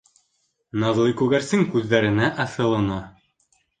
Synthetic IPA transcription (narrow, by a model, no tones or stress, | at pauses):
nɑzlˠɤjkʉɣæɾsɘŋkʉðːæɾɘ̆næʔɑθɤ̆lˠɤ̆nɑ